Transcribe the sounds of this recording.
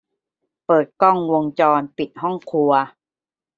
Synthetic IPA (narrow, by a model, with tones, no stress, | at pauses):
pɤː˨˩t̪̚kɔ˥˩ŋwo˧ŋt͡ɕɔː˧npi˨˩t̪̚ɦɔ˥˩ŋkʰu˧ɐ